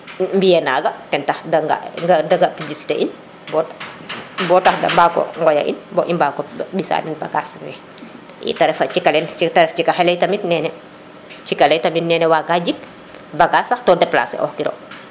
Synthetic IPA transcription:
mbijɛnaːɡɐtɛntaxdɐŋɡa̰ŋɡɐdɐɡapublisi̥tḛːʔin | bɔt | bɔːtaxdɐ̰mbaːkɔ̰ŋɡɔja̰ʔḭnbɔʔimbakɔbisa̰nɛnbaɡasmɛ | jḭtɐɾɛfɐt͡ʃikɐlɛntɐɾɛft͡ʃikaxɛlɛjtɐmitnɛːnɛ | t͡ʃikɐlɛjtɐmitnɛːnɛwaɡaɟik̚ | bɐɡasaxtɔdɛpla̰ːsɛ̰ʔɔ̰xkiɾɔ̰

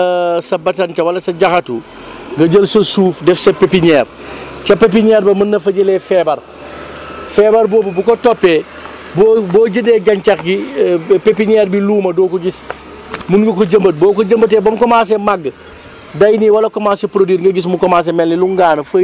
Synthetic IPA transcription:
sɐbɐtɐntɐwɐlɐsɐɟɐxɐtu | ŋɡɐɟəlsɐsuːfdɛfsɐpepiɲɛːr | t͡ʃɐpep̬iɲɛːɾbɐmɐnːɐfɐɟəlɛfɛbɐr | fɛːbɐɾbɔːbɐbukotɔpːɛ | bobɔːɟəndɛɡɐɲt͡ʃɐxɡipepiɲɛːɾbiluːmɐdɔːkɔɟis | munɡikoɟɐmbɐt̚bɔːkoɟɐmbɐt̬ɛːbɐmkɔmas̬ɛmaɡː | dɐjniwɐlɐkɔmaːsepɾodwiɾŋɡɐɟis̬mukɔmaːs̬ɛmɛlniluŋɡaːnfɐ

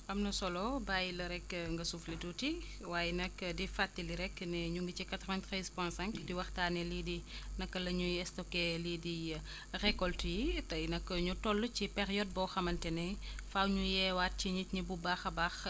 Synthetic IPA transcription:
ʔɐmnɐsɔlɔbaːjilɐɾɛkːŋɡɐsuflituti | waːjɛnɐkːdifatːiliɾɛkːnɛɲuŋɡit͡ʃikat̪ɾɔvantxɛspwɛ̃sɛ̃ŋkdiwɐxtaːnɛlidinɐkːɐlɐɲuɛstɔkɛlidi | rɛkɔltujitɐjnɐkːɐɲutɔlːucipɛɾjɔd̚bɔxɐmɐntɛnɛfawɲujɛwat̚ciɲitɲibubaxɐbax

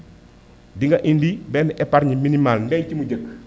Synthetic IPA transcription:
diŋɡɐʔindibɛːniʔɛpaɾɲiminimalnɛɲcimuɟək

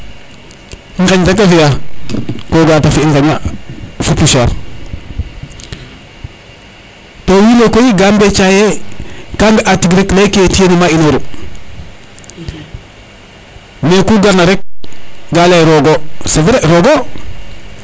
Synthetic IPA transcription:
ŋkaɲtak̬afija | koɡatafiiŋkaɲafupusa | towilokojiɡambet͡ʃajekaŋɡaʔatiɡɾeklaikietijenimainoɾu | mekuɡaɾnaɾek̚ɡalaɾoɡosefɾeɾoɡo

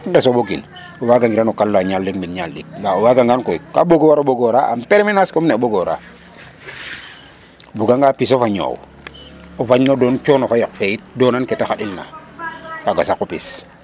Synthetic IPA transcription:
dasoɓoɡḭn | ɔwaɡaŋɡiɾanokalːaɲalːik̚minɲalːḭk̚ndaowaɡaŋɡankojkaboɡowaɾoɓoɡɔɾaʔa̰mpeɾminaskomneɓoɡɔɾa̰ | buɡaŋɡapisofaɲo̰w | ɔfaɲnodɔnt͡ʃɔnɔfajɔkfejit̚dɔnankɛtaxaɗilna̰ | kaɡasakːopḭs

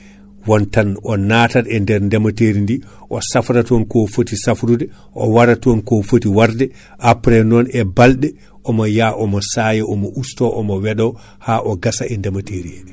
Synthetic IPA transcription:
wɔntanɔnaːtaɾɛndɛɾndamateɾindi | ʔɔsafɾatɔnkɔfotisafɾudɛ | ʔɔ̰waɾatɔnkɔfotiwaɾdɛ | ʔapɾɛnɔnɛbalɗɛ | ʔɔmɔjaʔɔmɔsajɛʔɔmɔʔustɔʔɔmɔwɛɗɔ | haːʔɔɡasaɛndamateɾi

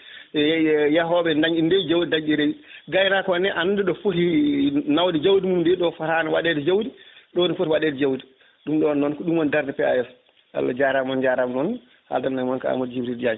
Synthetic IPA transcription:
jaɦɔɓɛndaɲindɛd͡ʒawdidaɲiɾeɡajnakɔnɛʔanndɛɗɔfotinawdid͡ʒawdimumdɛɗɔfaɾanɛwaɗɛdɛd͡ʒawdiɗɔwonifotiwaɗɛːdɛd͡ʒawdi | ɗumɗɔnːɔnkɔɗumɔndaɾdɛpɛa̰jɛs | a̰lːa̰d͡ʒaɾamːɔnd͡ʒaɾamnɔn | ha̰ldanːamɔnkaa̰modd͡ʒibɾidd͡ʒad͡ʒ

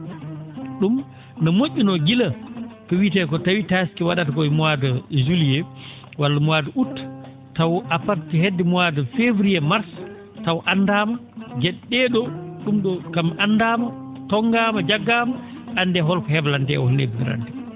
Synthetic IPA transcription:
ɗum | nɔmoʔʲːunɔɡilakɔwitɛkɔtawitaskiwaɗatakɔimuaduzulijɛ | walːamuwaduʔutː | tawʔafaɾtihedːɛmuwadufevɾijɛmaɾs | tawʔandaːmad͡ʒɛɗːɛɗɔɗumɗɔkamʔandaːmatɔŋɡaːmad͡ʒaɡːaːma | ʔandɛɦɔlkɔhɛblantɛ̰ɔhulnḛbidiɾa̰ntɛ̥

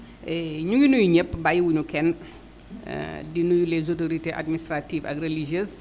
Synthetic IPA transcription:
ɛɲuɡinujuɲəpːbajwuɲukɛn̰ | dinujulezotoɾiteʔa̰d̚ministɾativɐ̰krelid͡ʒəs

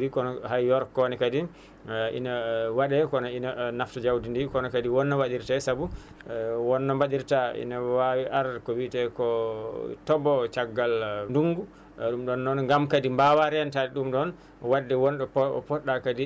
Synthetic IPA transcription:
ɾikɔnɔhajɔɾkɔnɛkadi | ʔḭnawaɗɛkɔnɔinanaftɔd͡ʒawdindikɔnɔkadiwɔnːawaɗiɾtasabu | wɔnːɔmbaɗiɾtaḭnawawiʔaɾkɔwitɛkɔ | tɔbɔt͡ʃaɡːalnduŋɡu | ɗumɗɔnːɔnŋɡamkadimbawaɾɛantadiɗumɗɔn | wadːɛwɔnɗɔppɔɗːakadi

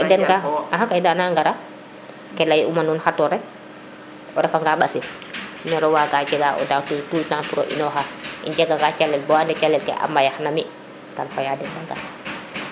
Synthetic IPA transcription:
dɛnɡaaɦakajdanaŋɡaɾa | kɛlajumanunhatɔɾɛ | ɔɾɛfaŋɡaɓasi | inɔɾɛwaɡaːd͡ʒɛɡaʔɔ̰datutujtanpuɾo̰ʔḭnɔɦaʔḭnd͡ʒɛɡaŋɡat͡ʃalːɛlbɔandɛt͡ʃalːɛlkɛ̰ʔa̰mːajaxnami | kanfajadɛndaɡa̰ɾ

